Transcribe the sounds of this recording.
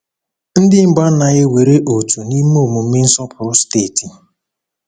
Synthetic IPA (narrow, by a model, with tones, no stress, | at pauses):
n̩˦dɪ˦m̩˨˦ɡ͡ba˦na˨ɣɪ˦we˨ɾe˦ʔo˨tu˨ni˦m˦o˦˨mu˨m̩˦mɪ˦n̩˦sɔ˦pʰʊ˨ɾʊ˦steː˦˨ti˨